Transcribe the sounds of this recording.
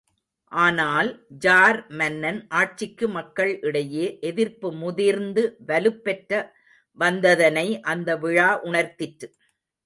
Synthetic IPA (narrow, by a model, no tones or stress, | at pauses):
ʔaːnaːld͡ʒaːɾmɐnːɐnʔaːʈ̚t͡ʃɪkːɯmɐkːɐɭʔɪɽɐjeːʔɛðɪɾpɯmʊðiɾnd̪ɯʋɐlɯpːɛʈɾɐ | ʋɐnd̪ɐðɐnɐɪʔɐnd̪ɐʋɪɻaːʔʊɳɐɾt̪ɪʈɾɯ